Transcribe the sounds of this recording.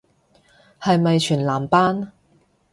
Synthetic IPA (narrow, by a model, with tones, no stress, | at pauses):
hɐ˨jmɐ˨jt͡ʃʰyː˨˩nlaː˨˩mpaː˥n